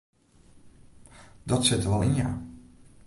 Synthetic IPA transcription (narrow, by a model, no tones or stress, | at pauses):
d̥ɔtsɪtəɹʋɔlˠɪnja̰ː